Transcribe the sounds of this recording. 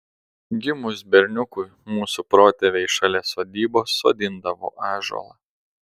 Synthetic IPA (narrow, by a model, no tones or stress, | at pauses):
ɡʲɪmʊsbʲɛɾʲnʲʊkʊɪmuːsupɾoːt̪ʲɛʋʲeɪʃɑlʲeːsoːd̪ʲiːboːsːo̰ːd̪ʲɪnd̪ɐʋo̰ːʔɑːʒo̰lˠɐ